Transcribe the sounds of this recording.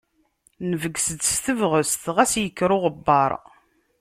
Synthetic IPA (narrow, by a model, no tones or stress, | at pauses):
nəvəɡsəd̪st̪əvʁəst̪ʁæsjəkːɾʊʁəbːɑɾˤ